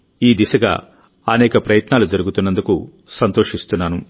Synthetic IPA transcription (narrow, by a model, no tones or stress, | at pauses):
iːd̪isɐɡa̰ː | ɐnɛːkɐpɾɐjɐt̪naːlud͡ʒɐɾuɡut̪unːɐnd̪uku | sɐnt̪oːʂist̪unːaːnu